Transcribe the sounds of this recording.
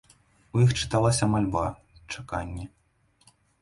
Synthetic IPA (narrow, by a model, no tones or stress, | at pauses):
ujixt͡ʂɨ̥t̪alˠasʲɐmalʲba | t͡ʂaka̰nʲːɛ